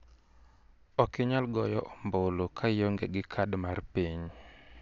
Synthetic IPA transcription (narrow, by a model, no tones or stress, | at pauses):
ɔkɪɲalɡɔjɔʔɔmbolokʰajɔŋɡeɡɪkʰadmarpiɲ